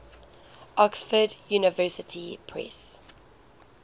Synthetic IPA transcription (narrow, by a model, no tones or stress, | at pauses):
ʔɔksfədjuːnəvɜsɪtʰipʰɹɛ̰s